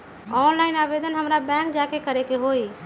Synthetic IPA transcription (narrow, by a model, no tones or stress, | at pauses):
ɔnlaɪnabed̪ʱənɦəmɾabɛ̃ŋk̚d͡ʒakekəɾekeɦoj